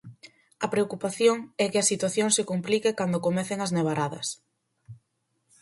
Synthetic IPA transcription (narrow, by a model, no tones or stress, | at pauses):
ɐpɾeokupaθjoŋɛkɪɐsit̪waθjoŋsɪkomplikekand̪okomɛθɪŋɐzneβ̞aɾaðɐ̰s